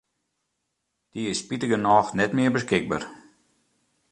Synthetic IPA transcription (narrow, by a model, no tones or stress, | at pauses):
d̥iɪspitəɡənɔːxnɛtmɪərbəskɪɡ̚ba̰r